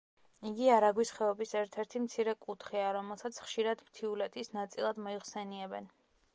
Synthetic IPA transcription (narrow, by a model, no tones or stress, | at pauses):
iɡiaɾaɡwisχɛɔbisɛɾt̪ʰɛɾt̪ʰimt̪sʰiɾɛkʼut̪ʰχiaɾɔmɛlˠsat̪sʰχʃiɾad̪mt̪ʰiulɛt̪ʰisnat̪sʼilˠad̪mɔiχsɛniɛbɛn